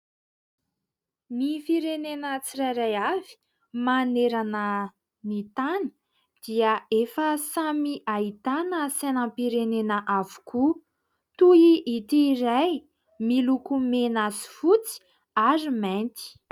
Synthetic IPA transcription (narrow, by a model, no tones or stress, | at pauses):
nifiɾenenət͡sirajɾajavi̥ | maneɾanə | nit̪anə | d̪̥iəefəsamiʔait̪anəsenãmpiɾenenəʔavu̥ku | t̪uiʔit̪iːɾaj | milukumenasi̥fut͡si̥ | aɾiment̪i̥